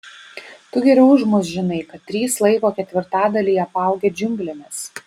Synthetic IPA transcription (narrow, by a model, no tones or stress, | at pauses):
t̪ʊɡʲɛɾʲɛʊʒmʊs̬ʒʲɪnɐɪkɐt̪ʲːɾʲiːslˠɐɪkoːkʲɛt̪ʲʋʲɪɾt̪ɑːd̪ɐlʲiːɐpɑˑʊɡʲɛːd͡ʒʲʊŋʲɡlʲɪnʲɛs